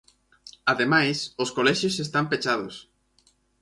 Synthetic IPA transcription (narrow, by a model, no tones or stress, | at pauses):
aðemajsʊskolɛʃjosest̪ampet͡ʃaðʊs